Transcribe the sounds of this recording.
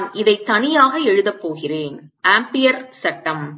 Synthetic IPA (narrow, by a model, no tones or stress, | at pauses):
mʔɪðɐɪt̪ːɐnɪjaːɣɐɛɻɯðɐpːoːɣɪreːnʔaːmpɪjɐɾsɐʈːɐm